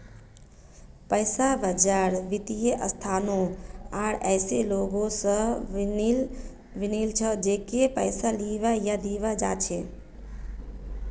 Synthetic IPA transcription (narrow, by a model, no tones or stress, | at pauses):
pəɪsabəd͡ʒaɾʋit̪ijeʔəst̪ʰaːnoaːɽɛɪseloɡõsə̃ | ʋinilt͡ʃʰəd͡ʒekepəɪsaliʋajad̪iʋad͡ʒa̰t͡ʃʰe